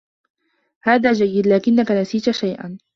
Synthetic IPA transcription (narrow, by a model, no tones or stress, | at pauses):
haːðaːd͡ʒajːɪd̪laːkɪnːakanasiːt̪aʃajʔa̰n